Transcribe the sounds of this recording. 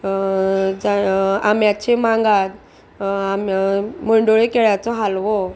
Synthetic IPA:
d͡zaamjat͡ɕemaŋɡat̪̚ | amməɳɖoɭekeɭjat͡sɔɦalʋɔ

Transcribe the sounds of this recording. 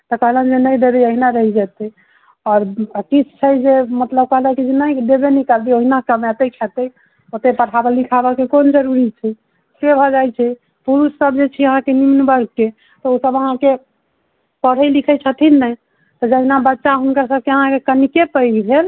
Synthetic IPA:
t̪ɔkəɦlənd͡ʒenəjd̪ebɛoɦinaɾəɦid͡ʒɛt̪ə | ɔɾkit͡ʃʰt͡ʃʰəjd͡ʒemət̪ləb̚kəɦlakid͡ʒenəjd̪ebenikald̪ioɦinakəmɛt̪et͡ʃʰɛt̪əj | ot̪epəɽ̤ʰabəlikʰabakekond͡ʒəɾuɾit͡ʃʰɛ | sebʱɔd͡ʒajt͡ʃʰɛ | puɾusːəb̚d͡ʒet͡ʃʰiəɦãkenimnbəɾɡ̚ke | t̪ɔosəbəɦãke | pəɽ̤əjlikʰət͡ʃʰət̪ʰinəj | t̪ɔd͡ʒəɦinabətːʃaɦunkəɾsəb̚keəɦãkekənikepəjɡbʱel

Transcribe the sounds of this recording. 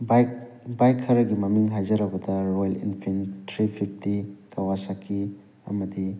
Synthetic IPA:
ba | bajkʰːɐɾɐɡimɐmiŋɦajzɐɾɐbɐdɐɾojlḭnpʰintʰɾipʰipʰtikɐwasakʰːi | ɐ̰mɐdi

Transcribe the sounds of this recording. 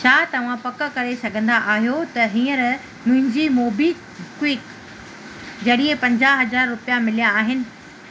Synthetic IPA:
t͡ɕʰaːt̪ɐʋ̤ãpɐkə̆kɐɾesɐɡʱə̃nd̪aʔaːɦjot̪ɐɦĩːə̃ɾ | mʊ̃ɦɪ̃ɲd͡ʑiːmoːbi | kwɪk | d͡ʑɐɗiepɐ̃ɲd͡ʑaːɦɐzaːɾːʊpijamɪlijaːɦɪnɪ̆

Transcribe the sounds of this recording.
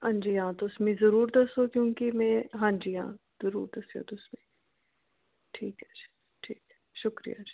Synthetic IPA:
ɐ̃nd͡ʒijãːt̪oʊsmẽzɐɾuːɾd̪ɐsokjõːkimɛ̃ɦãːnd͡ʒiã̰ː | z̥ɐɾuːɾd̪ɐsijo̰t̪oʊsmẽ | ʈʰiːkɦɛd͡ʒe̥ | ʈʰiːkɦɛ̥ | ʃʊkɾḭja̰ːd͡ʒi

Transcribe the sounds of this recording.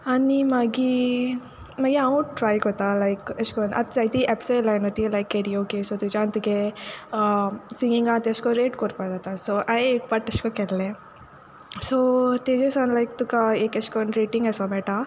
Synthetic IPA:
ɐnimaɡi | mɐɡiawũʈɾaːjkot̪alajkɐskonʔɐ̰t̪sɐjt̪iʔɛpsɔlajnot̪ilajkeɾioːkesoːt̪ud͡ʒant̪uke | sĩŋɡiŋɡaːt̪iɐskoɾeːʈkoɾpad̪at̪asoːʔajekbɐʈɐskokɛlle | soːt̪eːd͡ʒesanlajkt̪ukaeːkɐskɔnɾeːʈĩŋɡɐsɔbɛʈa

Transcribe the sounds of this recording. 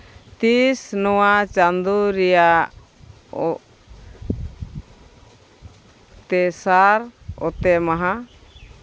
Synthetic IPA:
t̪isnɔwat͡ʃand̪uɾɛja | t̪ɛsaɾɔ̰t̪ɛmaɦa

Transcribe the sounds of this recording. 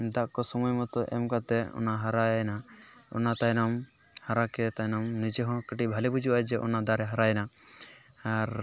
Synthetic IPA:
d̪aʔkɔsɔmɔjmɔt̪ɔʔɛ̰mkat̪ɛɔ̰naɦaɾajnaɔ̰nat̪ajnɔm | haɾakɛt̪ajnɔmnid͡ʒɛɦɔ̃kəʈibʱalibud͡ʒuwad͡ʒɛʔɔ̰nad̪aɾɛɦaɾajna | aɾ

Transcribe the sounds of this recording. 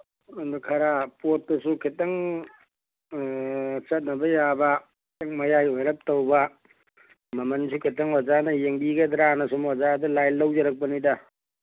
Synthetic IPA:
ɐndukʰɐɾapot̚ːɐsukʰitːɐŋ | t͡ʃɐt̚nɐbɐjabɐkʰtɐŋmɐjajojɾɐp̚tɐwbɐ | mɐmɐnsukʰitːɐŋwad͡ʒanɐjeŋbiɡɐd̪ɾanɐsumazadɐlajlːɐwd͡ʒɐɾɐk̚pɐnidɐ

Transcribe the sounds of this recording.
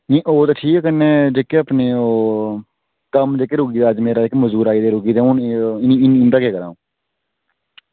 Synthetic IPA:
nĩːʔoːt̪aːʈʰiːkːkːənːeːd͡ʒeːkeːəpneːoː | kəmd͡ʒeːkeːɾʊɡiːd̪aːəd͡ʒmeːɾaːɪkməzuːɾaːiːd̪eːɾʊɡiːd̪eːũnɪniːɪnɪnd̪aːkeːkəɾã̰ːũː

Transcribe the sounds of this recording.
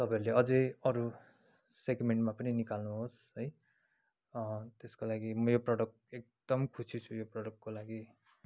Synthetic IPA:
t̪ʌpãeɾleʌd͡zʌjʌɾu | seɡmeɳʈmapʌninikalnuɦos | ɦʌj | t̪eskolaɡimʌjoprʌʈʌk̚ | ek̚d̪̥ʌmkʰusit͡sʰujoprʌʈʌkːolaɡi

